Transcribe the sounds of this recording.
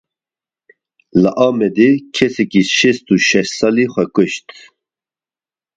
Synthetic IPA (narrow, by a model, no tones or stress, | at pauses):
laʔaːmɛd̪ikʰɛsɛkʰʼiʃɛst̪ʰuʃɛʃsaliχʷɛkʰʼeʃt̪ʰ